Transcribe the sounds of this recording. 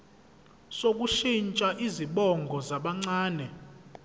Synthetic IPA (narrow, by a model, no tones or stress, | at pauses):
sok̬ʼuʃint͡ʃʼaʔiziɓɔŋɡʱɔzaɓaŋ͡ǀaːnɛ